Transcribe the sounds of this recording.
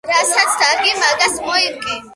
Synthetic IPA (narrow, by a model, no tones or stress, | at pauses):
ɾasat̪sʰd̪aɡimaɡasmɔimkʼɛ